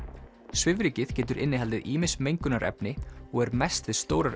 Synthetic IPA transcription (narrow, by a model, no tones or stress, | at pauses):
svɪvɾiːcɪð̥cɛːt̪̬ʏɾɪnːɪɦɛlt̪ɪðiːmɪsmejŋkʏnaɾʔɛ̰pnɪɔɣɛɾmɛst̪vɪðst̪oːwɾaɾ